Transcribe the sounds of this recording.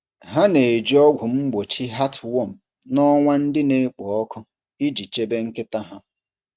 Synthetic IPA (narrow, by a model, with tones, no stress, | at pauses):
ɦa˦ne˨e˨d͡ʒi˦ɔ˦ɡʷʊ˨m̩˦ɡ͡bo˨t͡ʃi˦ɦa˦twɔ˦˨m̩˨ | nɔ˦ŋʷa˦n̩˦dɪ˦ne˦k͡pɔ˨ɔ˦kʰʊ˦ | i˦d͡ʒi˨t͡ʃe˦be˦ŋ̩˦kɪ˦ta˦ɦa˦